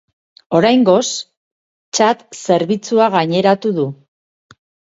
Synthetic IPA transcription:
o̞ɾajŋɡo̞s | t͡ʃat̪se̞ɾβit͡suaɣaɲe̞ɾat̪uðu

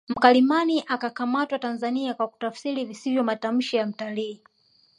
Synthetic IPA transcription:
m̩kalimaniʔakakamatwatanzaniakwaku̥tafsiɾivisivjɔmatam̩ʃijam̩taliː

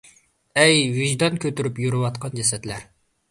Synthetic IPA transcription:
ɛjviʒd̪ɑnkʲʰøt̪yɾypjuɾɨwɑt̪qʰɑnd͡ʒɛsɛt̪læɾ

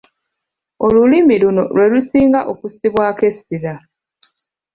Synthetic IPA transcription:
o̞lulimiluno̞̰lwe̞lusiːŋɡaʔokusiβwaːke̞siɾa

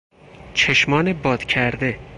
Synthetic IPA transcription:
t͡ʃʰeʃmɒːnebɒːd̪̥cʰæɾd̪e̞

